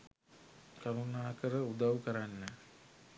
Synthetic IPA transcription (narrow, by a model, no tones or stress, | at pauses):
kaɾunaːkəɾəud̪awkəɾanːə